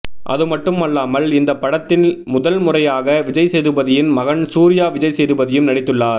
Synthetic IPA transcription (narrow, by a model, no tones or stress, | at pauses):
ʔɐ̰ðɯmɐʈːɯmɐlːaːmɐlɪnd̪ɐpːɐɽɐt̪ːɪnmʊðɐlmʊrɐjaːɣɐʋɪd͡ʒɐɪsɛjðɯbɐðɪjɪnmɐɣɐɳsuːɾɪjaːʋɪd͡ʒɐɪsɛjðɯbɐðɪjɯmnɐɽɪt̪ːɯɭːaːɾ